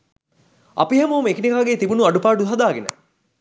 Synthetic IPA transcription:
ɐ̰piɦɐmɐumekinikaːɡeːt̪ibunuɐɖupaːɖuɦɐd̪aːɡenə̰

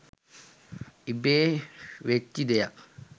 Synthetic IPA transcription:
ibeːʋetːid̪eja

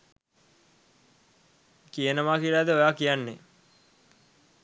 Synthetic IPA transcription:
kijənəʋaːkilaːd̪əojaːkijanːḛ

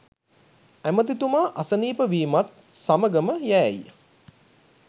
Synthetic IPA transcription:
æmət̪it̪umaːʔasəniːpəʋiːmat̪̚ | saməɡəməjæːj

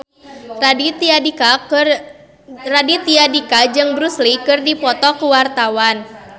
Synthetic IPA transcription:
radit̪iadikad͡ʒɨŋbɾuslikɨrdipɔt̪ɔkuwart̪awan

